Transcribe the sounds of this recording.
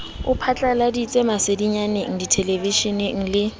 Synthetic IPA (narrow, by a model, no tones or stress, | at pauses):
ʊpʰat͡ɬʼaladit͡sʼemasediɲaneŋ̩ditʰeleviʃinɪŋ̩lɪ